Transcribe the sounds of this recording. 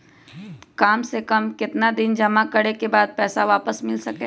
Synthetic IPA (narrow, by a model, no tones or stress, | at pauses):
kaːmsekɐmkɪt̪nad̪ɪnd͡ʒɐmakɐɽekebaːd̪̚pɛːsaʋaːpəsmɪlsɐke